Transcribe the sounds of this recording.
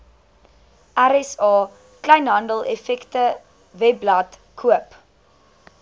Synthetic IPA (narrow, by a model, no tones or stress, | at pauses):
ʔæɾɛsɑː | klɛjnɦɐndəlˠʔefɛktə | vɛblɐtkʰuəp